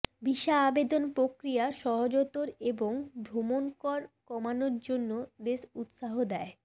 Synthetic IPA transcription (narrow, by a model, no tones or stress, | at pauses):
biʃaabed̪onpɾokɾijaʃɔɦod͡ʑot̪oɾeboŋbʱɾomonkɔɾkɔmanoɾd͡ʑonːod̪eʃut̪ʃaɦod̪ɛe